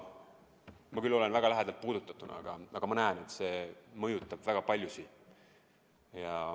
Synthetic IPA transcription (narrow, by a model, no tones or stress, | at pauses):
mɑkylːo̞le̞nvæɡ̥ɑlæɦed̪̥ɑlt̪̚puːd̪̥ut̪ːˑɑt̪ˑunʔɑ̰ɑ̰ɡ̥ɑʔɑɡ̥ɑmɑnæene̞t̪ːˑse̞ːmɤjut̪ˑːɑb̥væɡ̥ɑpɑlʲjusi | jɑ